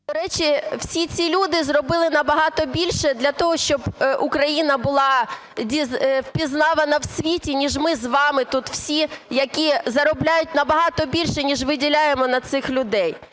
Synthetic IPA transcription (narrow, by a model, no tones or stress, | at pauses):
d̪ɔɾɛt͡ʃiw̥sʲit͡sʲilʲud̪ɪzrɔbɪlˠɪnɐbɐɦɑt̪ɔbʲilʲʃɛd̪lʲɐt̪ɔɦɔʃt͡ʃɔbʔʊkɾɐjinɐbʊlˠɑ | dʲizwpʲiznɑʋɐnɐwsʲʋʲitʲinʲiʒmɪzʋɑmɪt̪ut̪w̥sʲijɐkʲizɐɾɔblʲajʊt̚ʲnɐbɐɦɑt̪ɔbʲilʲʃɛnʲiʒʋɪdʲilʲajemɔnɐt̪sɪxlʲʊd̪ɛj